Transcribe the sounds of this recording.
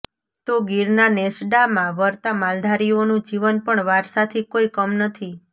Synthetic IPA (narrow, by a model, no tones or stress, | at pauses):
t̪oɡiɾnanɛsɖamãʋəɾt̪amald̪ʱaɾionũd͡ʒiʋənpəɳʋaɾsat̪ʰikoikəmnət̪ʰi